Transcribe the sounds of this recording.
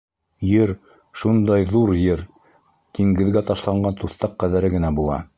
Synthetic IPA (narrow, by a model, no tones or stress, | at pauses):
jɘɾ | ʃund̪ɑjðuɾjɘɾ | t̪iŋɡɘ̆ðɡæt̪ɑʃlˠɑɴɢɑnt̪uθt̪ɑqːæðæɾɘɡɘ̆næbulˠɑ̰